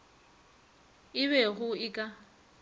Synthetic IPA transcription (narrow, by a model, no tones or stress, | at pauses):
ɪβɛɣʊɪkʼa